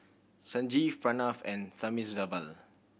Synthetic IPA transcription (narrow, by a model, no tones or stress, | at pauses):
sãnd͡ʒifãnafɛ̃nsamisdabəl